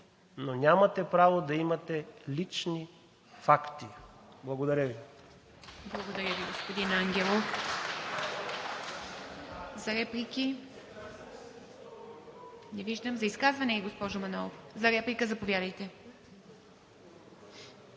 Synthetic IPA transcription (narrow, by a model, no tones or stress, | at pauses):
nonʲamɐt̪ɛpɾavod̪ɐimɐt̪ɛlit͡ʃni | fakt̪iblˠɐɡod̪ɐɾʲəvi | blˠɐɡod̪ɐɾʲjəviɡospod̪inaŋɡʲɛlˠo | zɐɾɛplikʲi | nɛviʒd̪əmzɐiskazvɐnɛiɡospɔʒʊmɐnɔlˠofzɐɾɛplikəzɐpovʲjad̪əjt̪ɛ